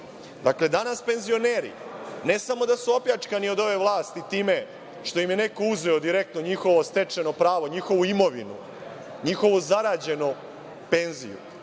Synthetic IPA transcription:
d̪akle̞d̪anaspe̞nzio̞ne̞ːɾḭne̞samo̞d̪asuo̞pjat͡ʂkanio̞d̪o̞ʋe̞ʋlˠaːst̪it̪iːme̞ | ʃt̪o̞imje̞ne̞ko̞uzʋeod̪iɾe̞k̚t̪no̞ɲixo̞ʋost̪e̞t͡ʂe̞no̞pɾaːʋoɲixo̞ʋuimo̞ʋinṵ | ɲixo̞ʋozaɾaːd͡ʑe̞no | pe̞nzḭjṵ

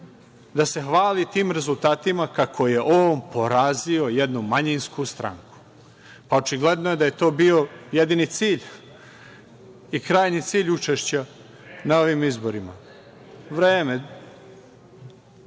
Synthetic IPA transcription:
d̪ase̞xʋaːlit̪iːmɾe̞zulˠt̪aːt̪imakakʰo̞je̞ʔoːnpo̞ɾazio̞jed̪numaɲinskust̪ɾa̰ŋku̥ | pao̞t͡ʃiɡle̞d̪noje̞d̪aje̞t̪o̞ːbio̞jed̪init̪siːʎ | ikɾaːjnit̪siːʎut͡ʃeʃt͡ɕa | nao̞ʋimizbo̞ɾima̰ | ʋɾeːme

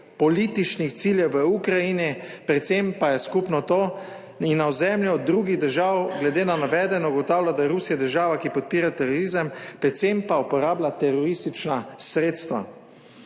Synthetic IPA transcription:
pɔliːt̪it͡ʃnixt̪siːljɛwʋəukɾajinipɾɛt̪sempajɛskupnɔt̪o | inːaɔzɛmljɔd̪ɾuɡiɣd̪əɾʒaːwɡlɛd̪eːnanaʋɛːd̪ɛnɔɡɔt̪aːwlad̪aɾusijad̪əɾʒaːʋakipɔt̪̚piːɾat̪ɛɾɔɾizəmpɾɛt̪sempaupɔɾaːblat̪ɛɾɔɾist̪it͡ʃnasɾeːt̪st̪ʋa̰

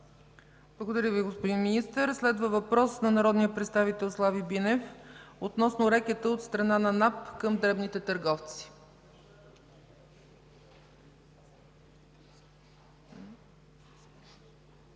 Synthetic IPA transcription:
b̥lˠəɡod̪ɐɾʲjəviɡospod̪inminist̪əɾslɛd̪vəvɐpɾɔsnɐnɐɾɔd̪nijəpɾɛt̪st̪avit̪ɛlˠslˠavibinɛfot̪nɔsnʊɾɛkɛt̪əot̪st̪ɾɐnanɐnapkəmd̪ɾɛbnit̪ɛt̪əɾɡɔft̪si̥

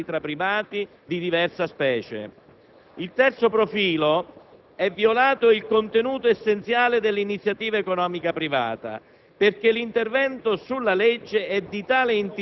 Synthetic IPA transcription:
it̪ɾapːɾivaːt̪i | d̪id̪ivɛrsaspɛːt͡ʃḛ | ilt̪ɛrt̪sopɾofiːlo | ɛvːiolaːt̪ʊilkont̪enuːt̪oesːent̪sjaːlɪd̪elːinit̪sːjat̪iːvaekonɔːmikapɾiva̰ːt̪a̰ | perk̟elint̪ervɛnt̪ʊsulːaled͡ʒːeɛd̪ːit̪aːlɪint̪

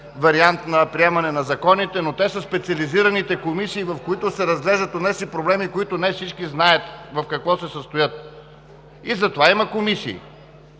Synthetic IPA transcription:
vɐɾiant̪nɐpɾiɛmɐnɛnɐzɐkɔnit̪ɛnot̪ɛsəspɛt̪siɐliziɾɐnit̪ɛkomisiːvɐfkoit̪ʊsɛɾɐzɡlɛʒd̪ət̪od̪nɛsipɾoblɛmikoit̪ʊnɛfsit͡ʃkiznaət̪vɐfkɐkvɔsɛsəst̪ojɤt̪̚ | izɐt̪ovaimɐkomisḭː

